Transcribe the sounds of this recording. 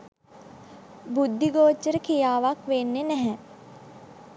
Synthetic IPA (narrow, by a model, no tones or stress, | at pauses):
bud̪ʱːiɡoːt͡ʃːəɾəkijaːʋakʋenːenɛɦɛ